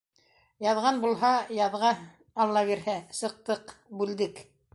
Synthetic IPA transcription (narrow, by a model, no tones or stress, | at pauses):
jɑðʁɑnbulˠɦɑjɑðʁɑ | ɑlˠːɑβiɾhæsɤ̆q̚t̪ɤqbʉld̪ɘk